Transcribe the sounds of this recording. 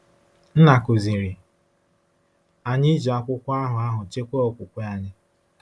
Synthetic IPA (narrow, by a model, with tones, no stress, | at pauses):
n̩˦na˨kʊ˨zi˨ɾi˨ | a˨ɲɪ˦d͡ʒa˨kʷʊ˦kʷa˦ɦʊ˨a˦ɦʊ˨t͡ʃe˦kʷo˦o˨kʷʊ˨kʷe˦a˦ɲɪ˦